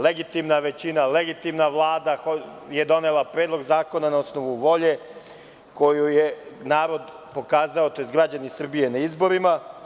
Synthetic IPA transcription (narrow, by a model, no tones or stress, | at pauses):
leɡit̪imnaʋe̞t͡ɕinale̞ɡit̪imnaʋlˠaːd̪axo | je̞d̪o̞nelapɾe̞ːd̪loɡzaːko̞nanao̞sno̞ʋuʋo̞ʎe̞ | ko̞jujenaːɾo̞d̪ | po̞kaːzaot̪o̞jzɡɾad͡ʑanisr̩bije̞naizbo̞ɾima